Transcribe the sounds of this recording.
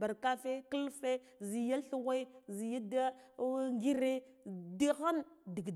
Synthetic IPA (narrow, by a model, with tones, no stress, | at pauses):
ba˨ɾka˦fe˦kə˦lfe˦ | zi˨ja˦ɬu˦ɣe˦i˦zi˨ja˦da˦ŋɡi˦ɾe˦ | di˦xa˦ndi˨ɡd